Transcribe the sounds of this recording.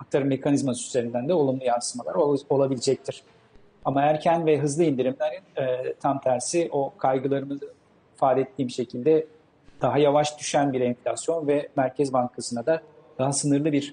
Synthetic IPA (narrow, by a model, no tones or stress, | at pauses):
ak̚t̪ʰaɾɯmːe̞kʰanizmasyzeɾind̪ænd̪ɛo̞lˠumlˠujansɯmalˠaɾo̞lˠabilʲid͡ʒɛc̚t̪ʰiɾ̥ | amaæɾcʰænvɛɦɯzlˠɯind̪iɾimlʲeɾinɛt̪ʰamt̪ʰæɾsiʔo̞kʰajɡɯlˠaɾɯmɯzɯ | faːd̪ɛɛt̪ʰːiːmʃe̞cʰilʲd̪ɛ | d̪̥aɦajavaʃd̪yʃænbiɾɛnflʲasjo̞nvɛmæɾcʰɛzbaŋkʰasɯnad̪a | d̪̥aɦasɯnɯɾlˠɯbiɾ̥